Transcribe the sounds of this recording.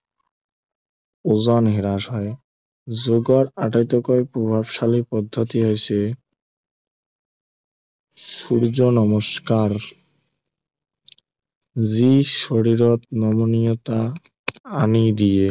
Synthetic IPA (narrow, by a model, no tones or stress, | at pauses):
ozɔnɦeɾaʃɦɔe | zoɡɔɾaʈajt̪okɔepɾobʱabʃalipɔd̪ʱːot̪iɦojt͡ɕʰe | ʃuɾd͡ʑonɔmoʃkaɾ | ziʃoɽiɾot̪̚nɔmonijot̪a | anid̪ie